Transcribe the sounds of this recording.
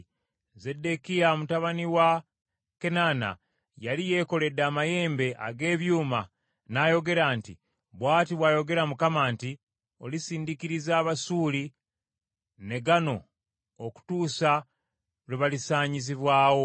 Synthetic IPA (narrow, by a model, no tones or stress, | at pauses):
ze̞de̞kijamutaβaniwa | ke̞nana̰ | jalije̞ːko̞le̞daːmaje̞ːmbe̞ʔa̰ɡe̞ːβjuːma | najo̞ɡe̞ɾaːnti | βwaːtiβwaːjo̞ɡe̞ɾamukamaːnti | o̞lisiːndikiɾizaːβasuːli | ne̞ɡano̞ | oku̥tuːsa | leβalisaːɲiziβwaːwo̞